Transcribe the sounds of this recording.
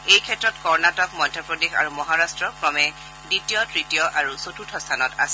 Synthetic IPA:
ejkʰɛtɹɔtkɔɹnatɔkmɔjdʱɔpɹɔdexa̰ɹumɔɦaɹastɹɔkɹɔmɛ | ditijɔtɹitijɔʔaɹusotʰutʰɔstʰanɔta̰sɛ

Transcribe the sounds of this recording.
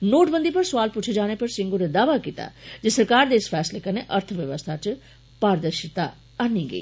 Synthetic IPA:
noːʈbə̃nd̪iːpɐɾsʊʋaːlput͡ʃʰed͡ʒaːñepɐɾsɪ̃ŋɡoɾed̪aːʋakit̪a̰ːd͡ʒesəɾkaːɾd̪eɪsfʰɛːslekɐɾneʔəɾt̪ʰəʋjəʋəst̪ʰat͡ʃ | paːɾd̪əɾʃɪt̪a | anːiːɡə̰ḭː

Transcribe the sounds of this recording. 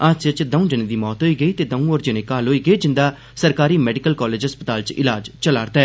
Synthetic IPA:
əd͡ʒət͡ʃd̪əũːd͡ʒɪnẽːd̪iːmɔːt̪ɦoːiːɡəiːt̪eːd̪ə̃ũɔːɾd͡ʒɪnẽːkaːlɦoːiːɡəeːd͡ʒɪnd̪aː | səɾkaːɾiːmɛːɖɪkəlkɔːleːd͡ʒɦəspət̪aːlt͡ʃɪlaːd͡ʒt͡ʃəlaːɾt̪ɛː

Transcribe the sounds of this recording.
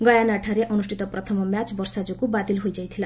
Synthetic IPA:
ɡʌjanaʈʰaɾeʔʌnusʈʰit̪ʌprʌt̪ʰʌmʌmjat͡sbʌrsad͡zukubat̪ilɦojd͡zʌjt̪ʰila

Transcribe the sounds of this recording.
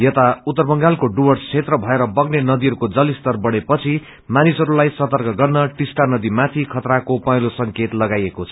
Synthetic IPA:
jʌt̪aut̪ːʌrbʌŋɡalkoɖuwʌɽt͡sʰet̪rʌbʱʌeɾʌbʌɡnenʌd̪iɦʌɾukod͡zʌlist̪ʌrbʌɽepʌt͡sʰi | manisɦʌɾulajsʌt̪ʌrkʌɡʌrnʌʈisʈanʌd̪imat̪ʰikʰʌt̪ɾakopʌjlosʌŋket̪lʌɡajekot͡sʰʌ

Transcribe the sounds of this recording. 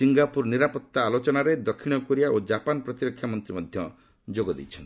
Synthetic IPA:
siŋɡapuɾniɾapɔt̪ːaːlot͡ʃɔnaɾed̪ɔkʰiɽ̃ɔkɔɾiaʔod͡ʒapanɔpɾɔt̪iɾɔkʰːjamɔnt̪ɾimɔd̪ʱjɔ | d͡ʒoɡɔd̪ḛjt͡ʃʰɔnt̪

